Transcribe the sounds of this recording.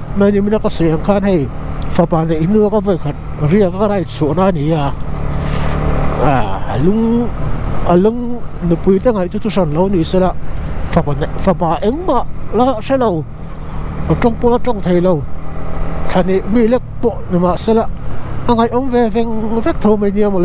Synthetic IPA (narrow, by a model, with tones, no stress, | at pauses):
ma˧ni˧˨mi˧˦na˧ka˧se˨a˧ŋkʰa˦˧nhe˧j | fa˧˩paː˨ne˨ʔi˦nɯ˧ka˦və˧˩jkʰa˨t̚ | ɾi˧ə˨ka˦ka˧ɾa˧˨jt͡sʰu˨˩˨na˧ni˨˧˦a˧ | a˨˩˨a̰˨lu˦ŋ | a˨lɯ˦ŋnɯ˨pu˧˦jt̪a˦˧˦ŋa˨jt͡su˦t̪ʰu˧sa˧˨˩n˨lo˧˦wni˧˨se˧˦la˧˨ʔfa˨a˨n˨fa˧˨pa˨˧ʔe˧˦ŋma˧˨ʔla˦sɛ˦˥lo˧w | a˨ʈ͡ʂɔ˧˨ŋpu˧˨ʔla˧ʈ͡ʂɔ˧˨ŋt̪ʰe˨˧jlo˧w | ɬʰa˧˨ni˧mi˧˩lɛ˦k̚pɔ˧˨ʔni˨ma˨se˧˦la˧ʔa˧ŋa˨jʔɔ˧˦ŋvɛ˧vɛ˧ŋvɛ˦k̚t̪ʰo˧wma˧jɲi˧ə˧mɔ˧˨˧